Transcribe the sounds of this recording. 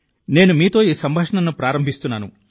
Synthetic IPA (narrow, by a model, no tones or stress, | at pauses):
ne̞ːnumiːt̪o̞ːiːsɐmbʱaːʂɐɳɐnːupɾaːɾɐmbʱist̪unːaːnṵ